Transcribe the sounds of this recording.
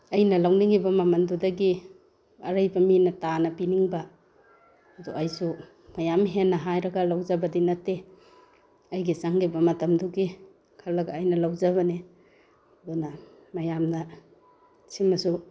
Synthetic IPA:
ɐjnɐlawniŋibɐmamɐndudɐɡi | ɐ̰ɾajbɐminɐtanɐpiniŋba | duʔajsu | majamɦenːɐɦajɾɐɡalawzabɐdinɐtːe | ɐjɡisaŋɡibɐmɐtɐmduɡi | kʰalɐɡaːjnɐlawzaβɐni | donɐ | majamna | simɐsu

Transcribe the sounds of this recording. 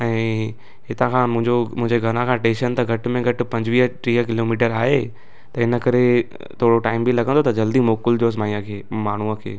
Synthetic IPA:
ɛ̃ː | ɦɪt̪ãkʰãːmʊ̃ɪ̃ɲd͡ʑomʊ̃ɦɪ̃ɲd͡ʑeɡʱɐñãkʰãːʈeːʃənt̪ɐɡʱɐʈ̆mẽɡʱɐʈɪ̆pɐ̃ɲd͡ʑʋiːɦʈɾiːɦəkɪloːmiːʈ̬əɾaːɦe | t̪ɐɪnə̆kɐɾe | t̪ʰoːɽoʈaːɪmbʱilɐɡə̃nd̪ot̪ɐd͡ʑɐld̪imoːkʊld͡ʑoːs̬maːĩjãkʰeːmaːɳ̤uəkʰḛː

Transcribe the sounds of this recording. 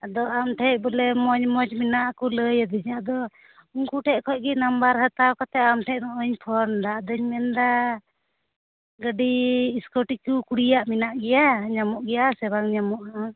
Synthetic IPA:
ad̪ɔʔamʈʰɛc̚bəlɛmɔɲmɔt͡ʃminaʔkɔləjəd̪iɲad̪ɔ | uŋkuʈʰɛʔkʰɔc̚ɡɛnambaɾhət̪awkɔt̪ɛamʈʰɛʔnɔʔəɲpʰɔɾnd̪ad̪əɲmɛnd̪a | ɡəɖiːskɔʈikukuɽijaʔminaʔɡɛjaɲamɔʔɡɛjasɛβaŋɲamɔʔa

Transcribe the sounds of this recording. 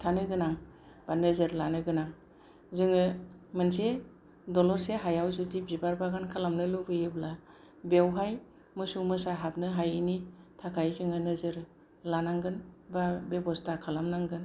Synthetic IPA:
tʰanɯɡɯnaŋ | b̥anɯzɯɾlanɯɡɯnaŋ | zɯŋɯmɯnse | dɔlɔɾseɦajawzudibibaɾbaɡankʰalamnɯlubɯjɯbla | bewɦaj | mɯsumɯsaɦap̚nɯɦajinitʰakʰajzɯŋɯnɯzɯɾ | lanaŋɡɯnbabebɔstʰakʰalamnaŋɡɯn

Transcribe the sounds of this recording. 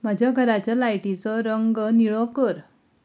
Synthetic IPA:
m̤ad͡ʑʱjaɡʱəɾat͡ɕjalajʈit͡sɔɾəŋɡniɭɔkəɾ

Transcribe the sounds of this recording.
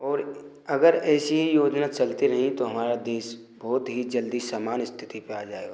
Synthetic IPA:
ɔːɾ | ɐɡəɾɛːsiɦijoːd͡ʒnaːt͡ʃɐlt̪iɾɐɦĩt̪oɦɐmaːɾad̪eːʃ | bɔːt̪ɦid͡ʒɐld̪isaːmaːnɪst̪ʰɪ̥t̪ipeaːd͡ʒaːeo

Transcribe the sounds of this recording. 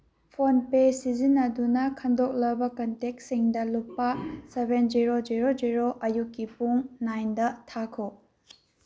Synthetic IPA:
pʰonpesizinɐdunɐkʰɐndok̚lɐbɐkɐntek̚siŋdɐluppːɐsebend͡ʒiɾoziɾod͡ʒiɾoʔɐjukːipuŋnajndɐtʰakʰo

